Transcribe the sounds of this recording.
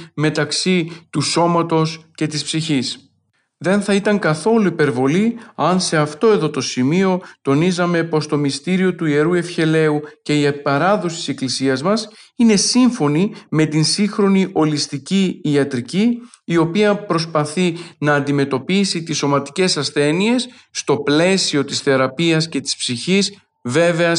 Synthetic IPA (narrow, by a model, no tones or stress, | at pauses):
me̞t̪ɐksit̪uso̞mɐt̪o̞sce̞t̪ispsiçis | ðe̞nθɐit̪ɐŋkɐθo̞luipe̞ɾvo̞liɐnse̞ɐft̪o̞e̞ðo̞t̪o̞simio̞t̪o̞nizɐme̞po̞st̪o̞mist̪iɾio̞t̪uie̞ɾue̞fçe̞le̞uce̞iɐpɐɾɐðosit̪ise̞klisiɐzmɐsine̞siɱfo̞nime̞t̪insixɾo̞niʔo̞list̪iciːɐt̪ɾiciː | o̞piɐpɾo̞spɐθinɐːnd̪ime̞t̪o̞pisit̪iso̞mɐt̪i̥ce̞sɐsθe̞nie̞sː | t̪o̞ple̞sio̞t̪isθe̞ɾɐpiɐsce̞t̪i̥spsiçis | ve̞ve̞ɐ